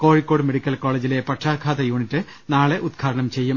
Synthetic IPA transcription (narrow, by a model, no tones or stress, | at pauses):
ko̞ːɻikːoːɽɨme̞ɽikʲːɐlko̞ːɭeːd͡ʑile̞pɐʈʂaːkʰaːt̪ɐjuːɳitːɨ | naːɭeʔud̪̚ɡʰaːɽɐɳɐmt͡ɕe̞jːum